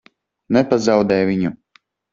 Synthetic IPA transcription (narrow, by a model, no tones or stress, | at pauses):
nɛpazawd̪ɛjvʲiɲu